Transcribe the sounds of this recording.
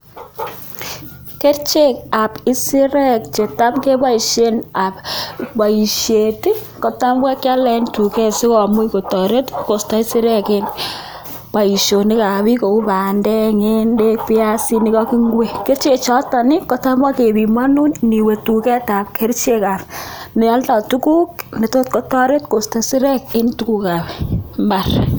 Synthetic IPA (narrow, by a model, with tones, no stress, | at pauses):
ke˦ɾt͡ʃe˦k̚a˨pɪ˦si˦ɾɛ˦k̚t͡ʃe˨ta˦mke˦ba˦i˨ʃe˦na˨pba˨i˨ʃje˨ti˦ | kɔ˨ta˦mwɛ˦kːa˦lɛ˨˦ntu˨kɛ˦sɪ˦kɔ˨mu˦ko˨tɔ˨ɾe˦tko˨sta˦i˦si˦ɾɛ˦ke˦n | pa˨i˨ʃo˨ni˦ka˨βi˦ko˨ku˦pa˨ndɛ˦ŋe˦nde˦k̚pi˦a˦si˦ni˦kɔ˦ki˦ŋɡwe˨ke˦ɾt͡ʃe˨t͡ʃɔ˦ta˨nɪ˦ko˦ta˦ma˦ke˨bi˨ma˦nu˦nni˨we˨tu˨kɛ˦ta˨p̚kʰe˦ɾt͡ʃe˦ka˨pne˨a˦lta˨tu˦ku˦kne˨to˦t̚ko˦tɔ˦ɾe˦tko˨sta˨si˦ɾɛ˦ke˦ntu˦ku˨ka˨bɛmba˦r